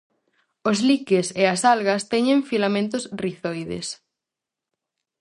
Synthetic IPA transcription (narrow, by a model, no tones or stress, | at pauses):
ozlikeseasalɣɐst̪ɛɲẽŋfilamẽnt̪ʊsriθojðḛs